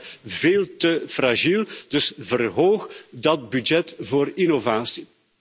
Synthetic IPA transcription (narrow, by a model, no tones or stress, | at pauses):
veːlˠtəfraʒilˠd̥ɵsvərɦoːxdɑt̚bydd͡ʒɛtvoːrinovaːsi